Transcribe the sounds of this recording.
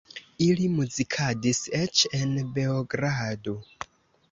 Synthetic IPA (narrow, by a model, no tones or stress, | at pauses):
ilimuzikʰadiset͡ʃenbeoɡɾado